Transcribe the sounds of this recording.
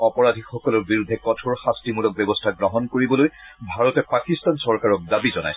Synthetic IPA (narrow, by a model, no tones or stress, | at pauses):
ɔpɔɹadʱixɔkɔlɔɹbiɹudʱːɛkɔtʰɔɹxastimulɔk̚bɛbɔstʰaɡɹɔɦɔnkoɹibɔlojbʱaɹɔtɛpakistansɔɹkaɹɔk̚dabizɔna̰js